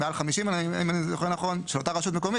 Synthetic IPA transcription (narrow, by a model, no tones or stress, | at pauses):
mealχamiʃimana̰imanizoχenaχo̞nʃelotaʁaʃut̪̬meko̞mi